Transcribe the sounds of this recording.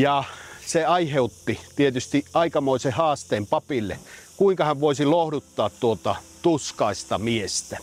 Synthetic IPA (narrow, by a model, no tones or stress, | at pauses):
jɑseɑiheut̪ːit̪iet̪yst̪iʔɑikɑmoˑisehɑːst̪eːmpɑpilːḛkuiŋkɑhæʋʋoisilohdut̪ːɑːt̪t̪uot̪ɑt̪uskɑˑist̪ɑmiest̪æ